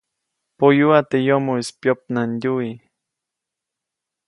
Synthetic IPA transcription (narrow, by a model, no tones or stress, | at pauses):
pojuat̪ejomoispjop̚nanʎui